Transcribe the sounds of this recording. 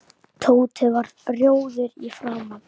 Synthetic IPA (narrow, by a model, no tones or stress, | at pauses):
t̪ʰoːwt̪ʰɪvaɾ | rjoːwðɪɾifɾaːwma